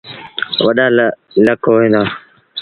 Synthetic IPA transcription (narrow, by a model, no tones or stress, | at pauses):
ʋəɗaː | ləkoːʋẽːnd̪aː